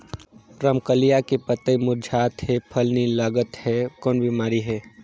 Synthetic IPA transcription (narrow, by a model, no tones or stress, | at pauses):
pɾəmkəlijakepət̪əjmʊɾd͡ʒʱaːt̪ɦepʰəlnilaːɡət̪hɛkɔːnbimaːɾiɦɛː